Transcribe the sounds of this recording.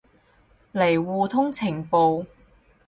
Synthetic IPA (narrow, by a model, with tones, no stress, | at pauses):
le˨˩jwuː˨t̪ʰʊ˥ŋt͡sʰɪ˨˩ŋpo˨w